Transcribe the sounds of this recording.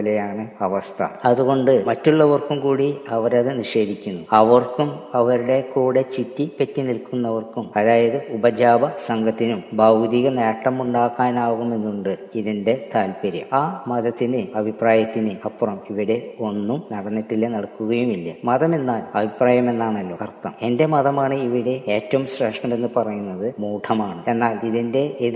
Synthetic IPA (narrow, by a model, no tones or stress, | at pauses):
ɐlɐjaːɳɨɐʋɐst̪ʰɐ̰ɐðuɣo̞ɳɖɨmɐtːuɭːɐʋɐrkumkuːɽiɐʋɐɾɐðɨniʂe̞ːd̪ʱikʲːunːuɐʋɐrkumɐʋɐɾuɽe̞kuːɽe̞t͡ɕitːipɐtːinilkunːɐʋɐrkumɐðaːjɐðɨubɐd͡ʑaːbɐsɐŋɡʱɐt̪ːinumbɐwd̪iɣɐneːɐʈːɐmuɳɖaːkːaːnaːɣume̞nːuɳɖɨiðinde̞t̪aːlpɐɾjɐ̰aːmɐðɐt̪ːinɨɐbʱipraːjɐt̪ːinɨɐpːrɐmiʋiɽe̞o̞nːumnɐɽɐnːiʈːilːɐnɐɽɐkːuɣɐjumilːɐmɐðɐme̞nːaːlɐbʱipraːjɐme̞nːaːɳɐlːoːɐrt̪ːɐme̞nde̞mɐðɐmaːɳɨiʋiɽe̞eːtːɐʋumɕreːʂmɐɳɖenːɨpɐrɐjunːɐðɨmuːʈʰɐmaːɳɨe̞nːaːliðinde̞e